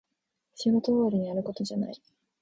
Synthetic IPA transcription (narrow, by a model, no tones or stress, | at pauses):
ɕiɡot̪oaɾʲiɲ̟iaɾɯ̟ko̞t̪o̞d͡ʑana̰i